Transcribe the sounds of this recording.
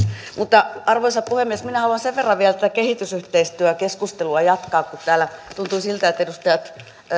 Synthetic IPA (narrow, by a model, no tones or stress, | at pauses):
mut̪ːɑɑrʋoisɑppuhemːiesminæhɑluɑnseʋʋerːɑʋiælt̪æt̪ækehit̪ysyht̪eist̪yækeskust̪eluɑjɑt̪kɑːkkut̪t̪æːlæt̪unt̪uisilt̪æet̪ːæedust̪ɑjɑt̪